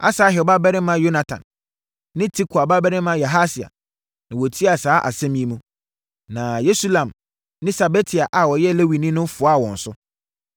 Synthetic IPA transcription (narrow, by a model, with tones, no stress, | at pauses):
a̰˦saː˨˦ɦɛ˨ɔ˨ba˦bɛ˦ɾɪ̃˦mã˦jo˦na˨tʰã̰˨nː | ɪ̃˦tʰi˦kʰʊ˨a˨ba˦bɛ˦ɾɪ̃˦mã˦ja˨ɦa˦si˨a̰˨ | nã˨wɔ˨tʰi˦a˨saː˦ʔa̰˨sɛ̃˦m̃˦ĩ˦mũ˦ | nã˨je˦su˦lã˨m | nɪ̃˦sa˨be˦tʰi˨a˨ʔa˨wɔ˨jɛ˦le˦wi˨nĩ˦nʊ̃˦m˦fʊ˨˦a˦˨wɔ̃˨n̩˨sʊ˦